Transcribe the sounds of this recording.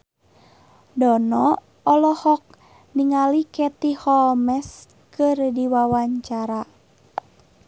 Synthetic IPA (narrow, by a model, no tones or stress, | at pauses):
dɔnɔ | ɔlɔhɔk̚ | niŋalikɛt̪ihɔlmɛs | kɨrdiwawaɲt͡ʃaɾa